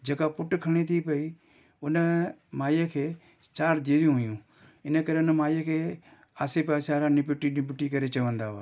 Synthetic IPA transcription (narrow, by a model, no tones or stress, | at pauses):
d͡ʒekaːpʊʈkʰəɽ̃it̪ʰipəiː | ʊnəmaːjekʰeː | t͡ʃaːɾd̪id̪ijũːɦʊjũː | ɪnəkəɾeːʊnmaːjeːkʰeː | aːseːpɛːsaːɾãːnɪpʈinɪpɪʈiːkəɾeːt͡ʃəʋə̃nd̪aːʋaː